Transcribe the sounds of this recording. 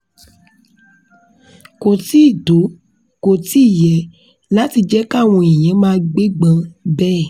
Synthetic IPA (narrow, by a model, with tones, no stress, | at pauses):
ko˨ti˦˨do˨˦ | ko˨ti˦˨jɛ˨ | la˦ti˧d͡ʒɛ˦ka˦˨w̃ɔ̃˧e˨j̃ɛ̃˨˦mãː˦ɡ͡be˦ɡ͡bã˧bɛː˦˨